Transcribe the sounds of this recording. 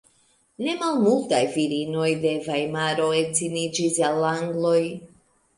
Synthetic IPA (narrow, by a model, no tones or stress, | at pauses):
ne̞malmultajviɾino̞jde̞vajmaɾo̞e̞t͡sinid͡ʒisalaŋɡlo̞j